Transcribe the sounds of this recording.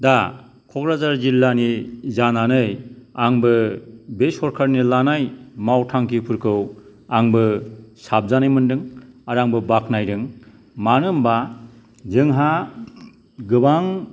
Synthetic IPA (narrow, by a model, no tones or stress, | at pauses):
da | kʰɔkɾazaɾzilːanizananɯjaŋbɯbesɔɾkʰaɾnilanajmawtʰaŋkʰipʰɯɾkʰɯw | aŋbɯsab̚zanɯjmɯndɯŋaɾaŋbɯbaknajɾɯŋ | manɯmba | zɯŋɦa | ɡɯbaŋ